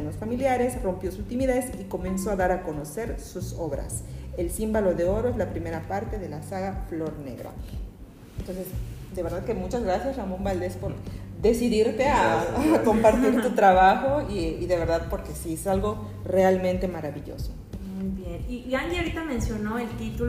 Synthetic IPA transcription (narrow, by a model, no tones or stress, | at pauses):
nosfamiljaɾe̞sro̞mpjo̞sut̪imiðesiko̞menso̞aðaɾako̞no̞se̞ɾsuso̞βɾa̰se̞lsimbalo̞ðe̞o̞ɾoezlapɾime̞ɾapaɾt̪e̞ðe̞lasaɣaflo̞ɾne̞̰ɣɾa̰ | nt̪o̞nse̞sd̪e̞βeɾðaðkemut͡ʃazɣɾasjasramõmbald̪e̞spo̞ɾ | ðe̞siðiɾt̪e̞ako̞mpaɾt̪iɾt̪ut̪ɾaβaxo̞iːðe̞βe̞ɾðaðpo̞ɾke̞siesalɣo̞ | re̞almẽnt̪e̞maɾaβiʝo̞̰so | mujbjeniaŋɡiaoɾit̪amẽnsjo̞noelt̪it̪u